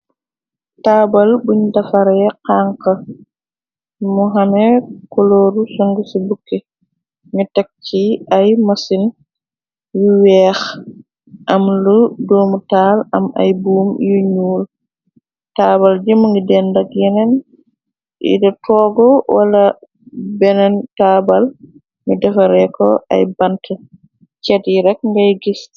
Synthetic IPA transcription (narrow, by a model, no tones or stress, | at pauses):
taːbɐlbuɲdafaɾjɛqaːŋkɐ | muɦamɛkɔloːɾusɔŋɡisibukːe | ŋitak̚t͡ʃiajmasin | juwɛːx | ʔɐmludɔːmutaːlamʔa̰jbuːmjuɲuːl | taːbald͡ʒimɔŋɡidɛndakjɛnɛn | ʔḭdɔtɔːɡɔwala | bɛnɛntaːbal | midɛfaɾɛkɔ̰ʔa̰jbantɛ | t͡ʃɛtjiɾɛk̚ŋɡajɡis